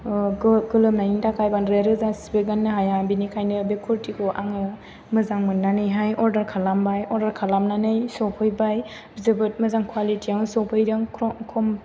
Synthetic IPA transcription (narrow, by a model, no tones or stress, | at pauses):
ɡɯlɯmnaniŋtʰakʰajbanɾeɾɯzasibeɡanːɯɦajabinikʰajnɯbekʰuɾtikʰoʔa̰ŋɯ | mɯzaŋmɯnːanɯjɦajʔɔɾdɐɾkʰalambajɔɾdɐɾkʰalamnanɯjsɔpʰɯjbaj | bzɯbɯt̚mɯzaŋkʰwalitiaŋɯsɔpʰɯjɾɯŋkʰɔkʰɔm